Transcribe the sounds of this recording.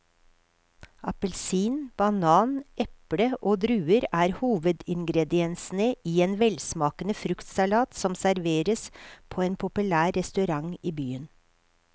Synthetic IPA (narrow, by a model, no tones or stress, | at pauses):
ɑpəlsiːnb̥ɑnɑːnɛpɽəʔoːd̪ɾʉːəɾæːɾhuːʋəd̪ɪŋɡɾɛd̪ɪɛnsn̩əiːeːnʋɛlsmɑːkənəfɾʉkt̪sɑlɑːt̪sɔmsæɾʋeːɾəspʰoːeːnpʰʊpʉlæːɾɛst̪ʉɾɑŋiːbyːən